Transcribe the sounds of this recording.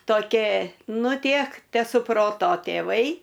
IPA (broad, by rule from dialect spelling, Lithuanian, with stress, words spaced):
toːˈkʲeː ˈnʊ ˈtʲiɛk tʲɛsʊˈproːtoː tʲeːˈʋɐɪ